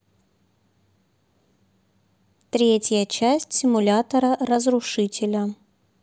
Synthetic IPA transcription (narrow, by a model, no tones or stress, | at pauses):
t̪ɾʲetʲjət͡ɕæsʲtʲsʲɪmʊlʲat̪əɾərəzɾʊʂɨtʲɪlʲə